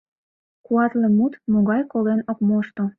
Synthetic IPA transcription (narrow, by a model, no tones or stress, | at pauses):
kuɑt̪lemut̪moɣɑjkolenokmoʃt̪o